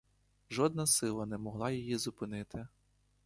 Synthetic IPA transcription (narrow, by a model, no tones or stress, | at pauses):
ʒɔd̪̚nɐsɪlˠɐnɛmɔɦlˠɑjijizʊpɪnɪt̪ɪ